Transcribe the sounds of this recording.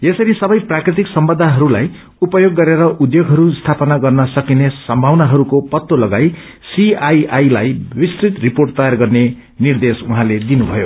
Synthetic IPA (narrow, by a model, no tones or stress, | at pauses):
jesʌɾisʌbʌjprakrit̪̬iksʌmbʌd̪ʱaɦʌɾulaj | upʌjoɡːʌɾeɾʌʔud̪joɡʱɦʌɾust̪ʰapʌnaɡʌrnʌsʌkinesʌmbʱawnaɦʌɾukopʌt̪ːolʌɡaj | siajajlajbist̪rit̪riporʈt̪ʌjarɡʌrne | nird̪esuɦãled̪inubʱʌjo̰